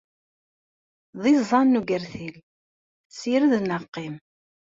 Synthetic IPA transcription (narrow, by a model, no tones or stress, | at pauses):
ðˤizˤɑnːuɡəɾθil | siɾðnəqːim